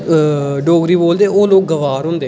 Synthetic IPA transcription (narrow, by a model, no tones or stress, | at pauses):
ɖoːɡɾiːboːld̪eoːloːk̚ɡəʋaːɾɦʊ̃nd̪eː